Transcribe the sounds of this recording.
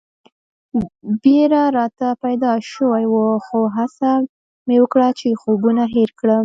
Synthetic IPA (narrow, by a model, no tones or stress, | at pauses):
beɾaɾɑt̪apajd̪ɑʃəwajwəxoɦasa | mewəkɽat͡ʃexobunaɦeɾkɽə